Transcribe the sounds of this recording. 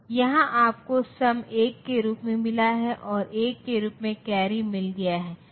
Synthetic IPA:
jɐɦãʔaːp̚kosɐmeːkːeɾuːpmẽmɪlaɦɛʔɔːɾʔeːkːeɾuːpmẽkɛːɾimɪlɡɐjaɦɛː

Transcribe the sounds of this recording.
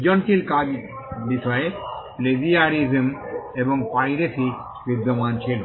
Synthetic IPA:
d͡ʒɔnkilkad͡ʒ | biʃɔepleziaɾizmeboŋpaɾiɾesʰi | bid̪omant͡ɕʰil

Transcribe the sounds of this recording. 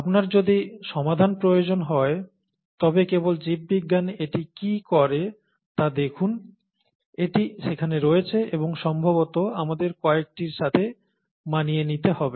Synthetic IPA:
apnaɾd͡ʑod̪iʃɔmad̪ʱanpɾojod͡ʑonɦɔe | t̪ɔbekebold͡ʑib̚ːiɡːaneʈikikɔɾe | t̪ad̪ekʰun | eʈiʃekʰaneɾoet͡ɕʰeʔeboŋʃɔmbʱabot̪oamad̪eɾkɔek̚ʈiɾʃat̪ʰe | manijenit̪ehɔbe

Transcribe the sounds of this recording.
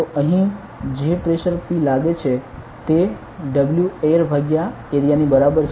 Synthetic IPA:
t̪oʔəɦĩ | d͡ʒepɾeʃəɾpilaɡet͡ʃʰe | t̪e | ɖəbljueɾbʱaɡja | eɾijanibəɾabəɾ

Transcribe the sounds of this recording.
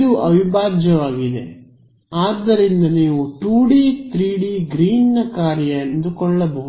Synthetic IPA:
d̪uʔɐʋibʱaːd͡ʒjɐʋaːɡid̪e̞̰ | aːd̪ːɐɾind̪ɐniːʋuʈuːɖiːt̪ɾiːɽiːɡɾiːnːɐkaːɾjɐɐnd̪ukɔɭːɐboɦ

